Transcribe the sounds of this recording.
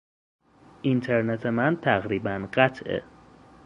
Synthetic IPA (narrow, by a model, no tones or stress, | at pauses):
ʔint̪ʰeɾnet̪ʰemænt̪ʰæɣɾiːbænɢæt̪ʰḛ